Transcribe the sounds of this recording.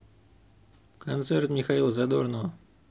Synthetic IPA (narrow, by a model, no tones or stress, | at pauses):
kʰont̪sert̪mʲixailˠzad̪ornov